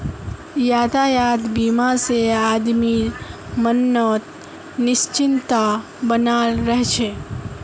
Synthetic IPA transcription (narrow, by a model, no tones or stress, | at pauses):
jaːd̪ajad̪bimasead̪mimənːɔt̪̚ | nɪst͡ʃɪnt̪a | bənalɾəɦt͡ʃʰe